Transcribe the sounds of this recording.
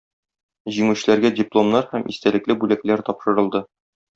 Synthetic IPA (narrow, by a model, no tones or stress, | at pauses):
ʑiŋʉɕɘ̆læɾɡædʲiplˠomnɑɾhæmʔist̪ælɘ̆klɘbʉlæklæɾt̪ɒpʃɤ̆ɾɤ̆lˠd̪ɤ